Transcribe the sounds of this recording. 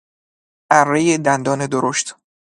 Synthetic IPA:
ʔærːejed̪ænd̪ɒːne̞d̪oɾoʃt̪

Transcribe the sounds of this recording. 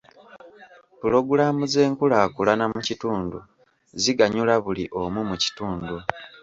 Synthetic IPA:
pulo̞ɡulamuze̞ːŋkulakulanamucituːndu | ziɡaɲulaβuliʔo̞mumuci̥tuːndu

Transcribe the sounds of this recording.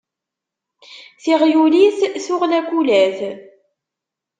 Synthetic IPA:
θiʁjuliθθʊʁlækʷːulæθ

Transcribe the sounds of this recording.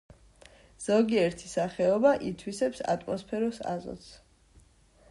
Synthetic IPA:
z̥ɔɡiɛɾt̪ʰisaχɛɔbaʔit̪ʰwisɛpsa̰t̪ʼmɔspʰɛɾɔsa̰zɔ̰t̪s

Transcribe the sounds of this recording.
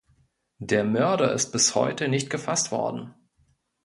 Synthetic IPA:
deːɐmœɐdɐɪ̰st̚b̥ɪshɔ̰ʏtənɪçt̚ɡ̥əfastv̥ɔ̰ɐdn̩

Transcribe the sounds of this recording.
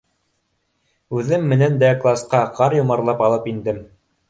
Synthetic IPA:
ʉðɘmːɘ̆nænd̪æklˠasqɑqɑɾjŏmɑɾlˠɑpɑlˠɤpind̪ɘm

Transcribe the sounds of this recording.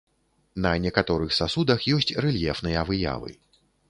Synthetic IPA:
nɐnʲɛkat̪ɔɾɨxsasud̪ɐxjɔsʲt͡sʲrɛlʲjɛfnɨjɐvɨja̰vɨ̰

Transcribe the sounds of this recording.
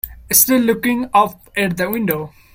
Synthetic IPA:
sʈɪlːʊkɪ̃ŋʌp | ɛʈ̚d̪əwɪ̃nɖoː

